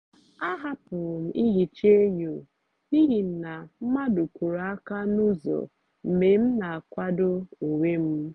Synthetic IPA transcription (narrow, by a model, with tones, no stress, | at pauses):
a˦ɦa˦pʊ˨ɾm̩˨ʔi˦ɦi˨t͡ʃe˦ɲo˨ | ni˦ɦi˨n̩˨na˨m̩˦ma˦dʊ˨kʷu˨ɾa˨a˦ka˦nu˦zo̰˨ | m̩˨me˨m̩˦na˨a˨kʷa˦dʊ˦o˨we˦m̩˦